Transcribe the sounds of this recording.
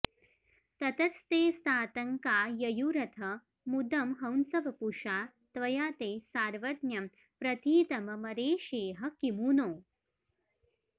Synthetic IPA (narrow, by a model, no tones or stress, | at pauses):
t̪ɐt̪ɐst̪eːst̪aːt̪ɐŋkaːjɐjuɾɐt̪ʰɐ | mud̪ɐmɦɐwnsɐʋɐpuʂaː | t̪ʋɐjaːt̪eːsaːɾʋɐd̪njɐm | pɾɐt̪iːt̪ɐmɐmɐɾeːʃeːɦɐkimuːnoː